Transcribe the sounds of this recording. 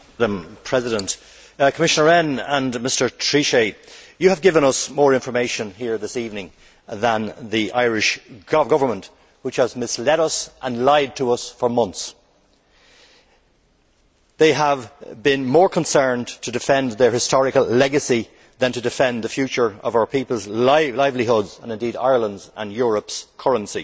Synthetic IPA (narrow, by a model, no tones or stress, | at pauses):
ɾə̃mpʰɹ̥ɛzɪɾə̃nt | kʰəmɪʃənə˞ɛ̃nə̃nmɪstə˞tʰɹ̥iʃeɪjɨəvɡɪvə̃ñʌsmɔːɹɪ̃ɱfə˞meɪʃə̃nɦiɹðɪsivnɪ̃ŋ | ðə̃nðiʔa̰ɪɹɪʃɡ̥ʌɡʌvə˞mə̃nʔ | wɪt͡ʃhəzmɪslɛɾʌsʔə̃nlaɪd̚tʰəʌsfə˞mʌ̃nθs | ðeɪəvbɪ̃nmɔːɹkʰə̃nsɜ̃˞ntʰədɨfɛ̃nðə˞hɪstʰɔɹɨkəlˠlɛɡəsi | ðə̃ntʰədɨfɛ̃nðəfjʉt͡ʃə˞ʌ̰vaʊə˞pʰipəlˠzlaɪvliɦʊdzə̃nɪ̃ndiɾa̰ɪə˞lə̃ndzə̰̃njʊɹəpskʰʌɹə̃nsi